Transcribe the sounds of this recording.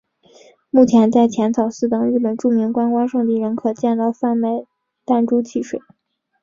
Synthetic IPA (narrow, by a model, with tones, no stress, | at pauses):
mu˥˩t͡ɕʰjɛ˧˥nt͡sa˥˩ɪt͡ɕʰjɛ˧˥nt͡s̪ʰɑ˨˩ʊsɹ̩˥˩t̪ɤ˨˩ŋɻɻ̩˥˩pə˨˩nʈ͡ʂu˥˩mi˧˥ŋkwa˥nkwa˥nʂɤ˥˧t̪i˥˩ɻə˧˥nkʰɤ˨˩t͡ɕjɛ˥˧nt̪ɑ˥˧ʊfa˥˩nme˥˩ɪ | t̪a˥˩nʈ͡ʂu˥t͡ɕʰi˥˩ʂwe˨˩˦